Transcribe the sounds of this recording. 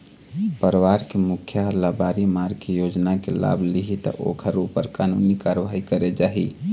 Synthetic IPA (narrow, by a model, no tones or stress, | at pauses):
pəɾʋaɾkemukʰjaɦɾlabaɾimaɾkejod͡ʒnakela̰bʱliɦit̪ə̰ʔo̰kʰəɾupːəɾkanunikaɾʋaɦikəɾed͡ʒaɦḭ